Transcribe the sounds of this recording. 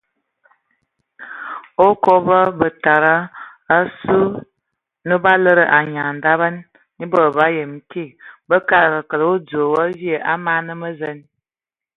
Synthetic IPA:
o˦kɔ˦bə˦bə˨ta˨ɾə˦ə˦su˦ | nə˦ba˦lə˦ɾə˨ʔa˨ɲa˨n̩˨da˦βə˦nː | i˦bə˨ba˦jə˨m̩˨˦ki˦˨bə˦ka˦ɾkə˨kə˨lə˨o˦d͡zo˨wə˦vi˦ə˨ʔa˦ma˦nə˦mə˦zə˦n

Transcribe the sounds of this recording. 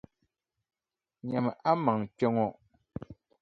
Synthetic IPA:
ɲa˨m˨ʔa˦ma˨ŋkɔ˦ŋɔ˦˨ʔ

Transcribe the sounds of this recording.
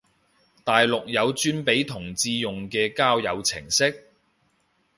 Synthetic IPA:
t̪aː˨jlʊ˨k̚jɐ˨˧wt͡ʃyː˥npe˨˥jt̪ʰʊ˨˩ŋt͡siː˧jʊ˨ŋkɛː˧kaː˥wjɐ˨˧wt͡sʰɪ̰˨˩ŋsɪ˥k̚

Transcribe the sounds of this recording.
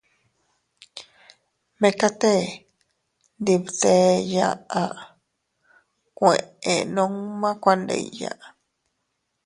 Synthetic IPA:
mẽ˧ka˦t̪e˦ | nd̪i˧bt̪e˧ja̰˦˨ʔa˨ʔ | kʷe˨ʔḛ˨nõ˦ŋmã˦kʷa˧nd̪ḛ˨jja̰˨ʔ

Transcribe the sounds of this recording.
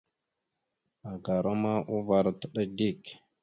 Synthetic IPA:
a˨ɡa˨ɾo˦ma˦ʔu˦va˨ɾtə˦ɗə˦di˦˨k

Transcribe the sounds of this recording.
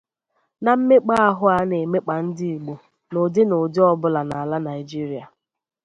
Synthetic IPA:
na˨m̩˦me˦k͡pa˦a˦ɦʊ˦a˦ne˨me˦k͡pa˨n̩˦dɪ˦i˨ɡ͡bo˨ | no˨dɪ˦no˨dɪ˦ɔ˦bʊ˦la˨na˨la˦na˨ɪ˨d͡ʒi˦ɾi˨˦a˨

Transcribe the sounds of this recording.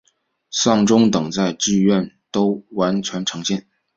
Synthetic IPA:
sɑ˥˩ŋʈ͡ʂʊ˥ŋt̪ɤ˨˩ŋt͡sa˥˧ɪʈ͡ʂɻ̩˥˧ɥɛ˥˩n | t̪o˥ʊwa˧˥nt͡ɕʰɥɛ˧˥nʈ͡ʂʰɤ˧˥ŋt͡ɕjɛ˥˩n

